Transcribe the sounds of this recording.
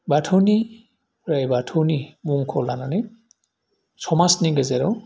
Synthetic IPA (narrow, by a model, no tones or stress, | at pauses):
batʰɔni | ɹajbatʰownibuŋkʰɔlananɛ | sɔmasniɡazɛɾɔ